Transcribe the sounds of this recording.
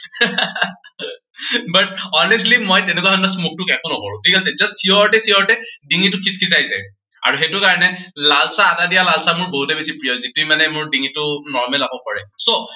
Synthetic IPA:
bat̚ɔnɛslimɔjtɛnɛk̬uaɔnɔsmuk̚tʊkɛkʊnɔkɔɹʊ̰̃tʰikalsɛd͡ʒastsiɔɹtɛsiɔɹtɛdiŋitʊkʰiskʰis̬ajsɛ̰ | a̰ɹuxetʊkaɹɔnɛlalsaːdadijalalsamʊɹboɦutɛbesipɹijɔzituimanɛmʊɹdiŋitʊnɔɹmɛlakɔkɔɹɛ̰so

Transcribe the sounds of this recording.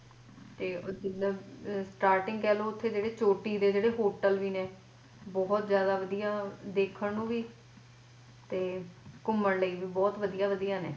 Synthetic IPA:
t̪eːd͡ʒɪd̪ãːsʈaːɾʈɪŋɡkɛːloːʊt̪ʰːeːd͡ʒeːɽeːt͡ʃoːʈiːd̪eːd͡ʒeːɽeːɦoːʈəlʋiːneː | bɔːt̪zjaːd̪aːʋəd̪ijaːd̪eːkʰəɳnũːʋiː | t̪eːkʊmːəɳləiːʋiːbɔːt̪ʋəd̪ijaːʋəd̪ijaːnḛː

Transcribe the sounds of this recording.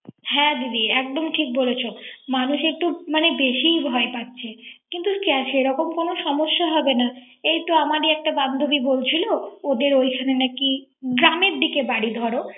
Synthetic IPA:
ɦɛ̃d̪id̪iɛk̚ɖ̪omʈʰik̚bolet͡ɕʰomanuʃek̚ʈumanebeʃibʱɔepatːɕʰekint̪ukaʃeɾɔkomkonoʃɔmoʃːaɦɔbena | ejt̪oamaɾiɛk̚ʈaband̪ʱobibolt͡ɕʰilood̪eɾojkʰanenaki | ɡɾameɾd̪ikebaɽid̪ʱɔɾo

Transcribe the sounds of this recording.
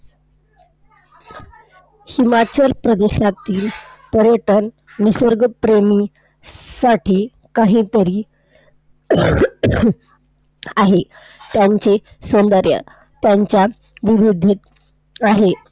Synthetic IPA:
himat͡ɕəlpɾəd̪eɕat̪iːlpəɾjəʈənː | isəɾɡəpɾemi | saʈʰiː | kaɦĩːt̪əɾiː | aɦe | t̪jaɲt͡ɕe | sond̪əɾjə̰ | t̪jaɲt͡ɕja | ʋiɾud̪ʱːiːt̪ | aɦe

